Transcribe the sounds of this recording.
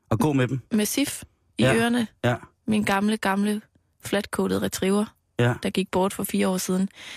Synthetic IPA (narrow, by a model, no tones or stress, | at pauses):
ɒ̽ɡ̥ɔ̰ːmed̥m̩mesif | iøːɐnə | minɡ̥ɑ̈mləɡ̥ɑ̈mlə | flæd̥kʰoːd̥ð̩ˠʁɛt͡sʰʁiʊɐ | d̥ɑ̈ɡ̥iɡ̥̚b̥ɒːd̥fɒ̽fiːɐɒ̰ːsið̞ˠn̩